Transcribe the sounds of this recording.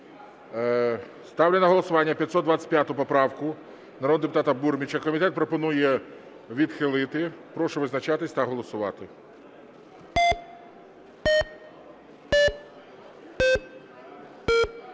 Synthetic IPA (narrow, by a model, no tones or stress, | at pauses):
st̪ɑwlʲɛnɐɦɔlˠɔsʊʋɑnʲːɐpʲjɐt̪sɔt̪d̪ʋat͡sʲɐ̥tʲpʲjat̪ʊpɔpɾɑwkʊ | nɐɾɔd̪nɐd̪epʊt̪ɑt̪ɐburmʲit͡ʃɐkɔmʲit̪ɛt̪pɾɔpɔnujɛ | ʋʲid̪xɪlˠɪt̪ɪpɾɔʃʊʋɪznɐt͡ʃɑt̪ɪsʲt̪ɐɦɔlˠɔsʊʋɑ̰t̪ɪ